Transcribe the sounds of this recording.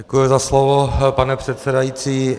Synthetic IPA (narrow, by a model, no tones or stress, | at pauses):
ɛkujʊzaslovopanɛpr̝̥ɛt̪sɛdajiːt͡siː